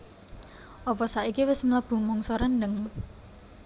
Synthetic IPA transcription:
ʔɔpɔsaʔikiwɪsmləb̥ṳmɔŋsɔɾanːəŋ

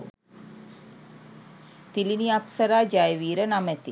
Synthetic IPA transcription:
t̪iliniapsəɾaːd͡ʒajʋiːɾənamɛt̪i

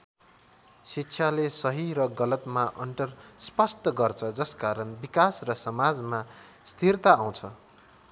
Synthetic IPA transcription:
sitːsʰjalesʌɦiɾʌɡʌlʌt̪maʔʌɳʈʌrspʌst̪ʌɡʌrt͡sʰʌd͡zʌskaɾʌnbikasrʌsʌmad͡zma | st̪ʰirt̪aːw̃t͡sʰʌ

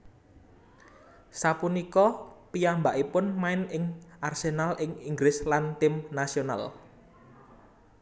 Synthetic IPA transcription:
sapunikɔpijambaʔipʊnmaɪnɪŋʔarsenalʔɪŋiŋɡlɪslant̪ɪmnasiona̰l

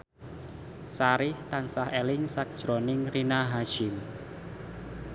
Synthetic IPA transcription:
saɾɪht̪ansaɦelɪŋsak̚d̥ʒ̥ɾonɪŋrinaɦaʃɪm

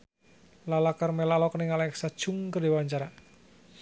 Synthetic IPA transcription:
lalakarmɛlalɔkəniŋalɛɛksad̥ʒ̥ʊŋkərdewaɲt͡ʃaɾa

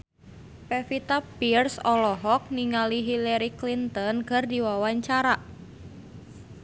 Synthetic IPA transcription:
pɛfit̪apirsɔlɔɦɔk̚niŋaliɦilaɾiklint̪ɔnkərdiwawaɲt͡ʃaɾaʔ

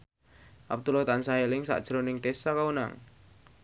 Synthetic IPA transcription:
ʔap̚t̪ulɔt̪ansaɦelɪŋsa̰ʔd̥ʒ̥ɾonɪŋt̪esakauna̰ŋ

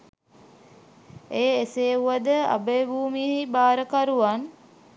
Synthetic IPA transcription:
eːeseːuʋad̪əa̰bəebuːmiəɦibaːɾəkaɾuʋan

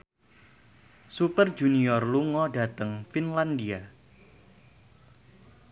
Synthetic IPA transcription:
supərd͡ʒuniɔrluŋɔda̤t̪əŋfinlandia

